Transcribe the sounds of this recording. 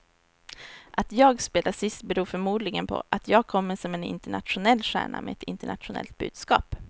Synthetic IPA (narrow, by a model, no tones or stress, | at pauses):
ʔat̪jɑːɡspeːd̪asɪst̪̚bɛɾuːɾfœɾmuːd̪lɪɡənpʰɔ̰ʔat̪jɑːɡ̚kʰɔmːəʂɔmɛnɪ̰nt̪əɳa̰t̪ɧʊnɛlːɧæ̰ːɳamʔɛɛt̪ɪnt̪əɳat̪ɧʊnɛ̰lt̪̚bʉ̟ːd̪̥skɑːp